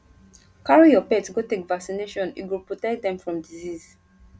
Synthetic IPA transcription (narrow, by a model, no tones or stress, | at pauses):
kaɹijɔpɛtsɡotekvaksineʃɔ̃nḭɡilpɹotɛk̚dɛ̃mfɹɔ̃mdiziz̥